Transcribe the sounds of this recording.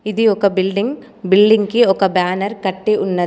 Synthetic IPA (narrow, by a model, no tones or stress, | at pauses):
ɪðɯɔkːɐbɪlɖɪŋ | bɪlɖɪŋkiɔkːɐbaːnɐɾkɐʈːiʔʊnːɐ